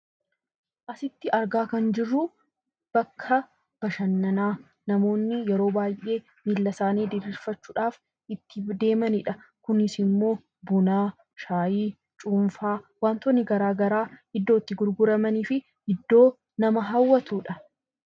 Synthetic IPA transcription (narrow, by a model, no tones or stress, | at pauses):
ʔɐsɪt̪ːɪʔɐɾɡaːkɐnd͡ʒɪrːuː | b̥ɐkʰːɐ | b̥ɐʃɐnːɐnaː | nɐmo̞ːnːɪjɛɾo̞ːbaːjʔːe̞ː | miːlːɐsaːniːd̪ɪɾiːɾfɐt͡ʃːuːᶑaːf | ɪt̪ːɪd̪e̞ːmɐnɪᶑɐkʊnɪsɪmːo̞ː | bʊnaː | ʃaːjiː | t͡ʃʼuːɱfaːwaːnt̪ɔnːɪɡɐɾaːɡɐɾaːhɪd̪ːoːɪt̪ːɪɡʊɾɡʊɾɐmɐniːfɪ | hɪd̪ːo̞ː | nɐmɐɦɐwːɐt̪uːᶑɐ